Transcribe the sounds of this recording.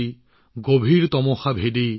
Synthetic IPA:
ɡobʱiɹt̪ɔmɔxabʱedi

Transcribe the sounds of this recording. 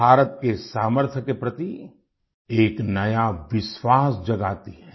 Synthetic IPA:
bʱaːɾət̪kesaːməɾt̪ʰəkepɾɐt̪i | eːknɐjaʋɪʃwaːsd͡ʒɐɡaːt̪iɦɛː

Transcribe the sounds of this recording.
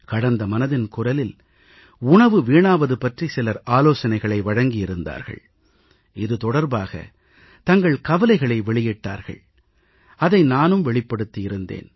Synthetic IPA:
kɐɽɐnd̪ɐmɐnɐðɪnkʊrɐlɪl | ʊɳɐʋɯʋiːɳaːʋɐðɯpɐʈrisɪlɐɾaːloːsɐnɐɪɣɐɭɐɪʋɐɻɐŋɡɪjɪɾɯnd̪a̰ːɾɣɐ̰ɭ | ɪðɯt̪ɔɽɐɾbaːɣɐ̰ | t̪ɐŋɡɐɭkɐʋɐlɐɪɣɐɭɐɪʋɛɭɪjɪʈːa̰ːɾɣɐ̰ɭ | ɐðɐɪnaːnɯmʋɛɭɪpːɐɽɯt̪ːɪjɪɾɯnd̪ḛːn

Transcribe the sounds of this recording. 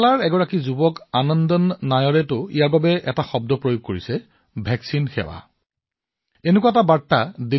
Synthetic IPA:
laɹɛɡɔɹakizubɔkanɔndɔnːajɔɹɛtʊḭjaɹbabɛʔɛtaxɔb̚dɔpɹojoɡ̚koɹisɛ | bʱɛksinxɛ̰wa̰ | enekuaɛtabatːade

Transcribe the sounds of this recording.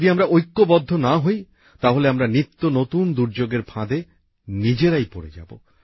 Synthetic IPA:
d̪iamɾaʔojkːobɔd̪ʱːonaɦoj | t̪aɦoleamɾanit̪ːonot̪und̪uɾd͡ʑoɡeɾpʰãd̪e | nid͡ʑeɾajpoɾḛd͡ʑa̰bo̰

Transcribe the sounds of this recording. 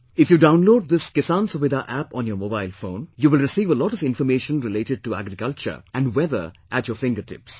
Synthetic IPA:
ɪfjuːɖãʊ̃nloːɖ̚d̪ɪskɪsãnsɔʋɪd̪aʔæpɔ̃ːnjɔːmoːbaɪlfõːnjuːʋɪlɾɪsiːʋəlɔːʈɔʋɪ̃nfəmeːʃə̃nɾɪleːʈɪɖ̚ʈuæ̰ɡɾɪkʌlt͡ʃə̰ɾʔæ̃nɖwɛðə̰ɾʔætjəːfɪ̃ŋɡəʈɪ̰ps

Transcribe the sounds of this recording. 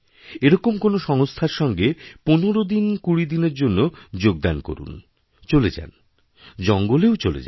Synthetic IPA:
eɾɔkomkonoʃɔŋst̪ʰaɾʃɔŋɡeponoɾod̪inkuɽid̪ineɾd͡ʑonːod͡ʑoɡ̚d̪anko̰ɾṵn | t͡ɕoled͡ʑa̰n | d͡ʑɔŋɡoleot͡ɕolḛd͡ʑa̰

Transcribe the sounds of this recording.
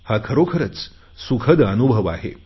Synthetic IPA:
hakʰəɾokʰəɾət͡s | sukʰəd̪ənubʱəʋaɦḛ

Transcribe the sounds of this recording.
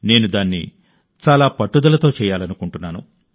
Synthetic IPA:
ne̞ːnud̪aːnːḭ | t͡ʃaːlaːpɐʈːud̪ɐlɐt̪o̞ːt͡ʃɛːjaːlɐnukuɳʈunːaːnṵ

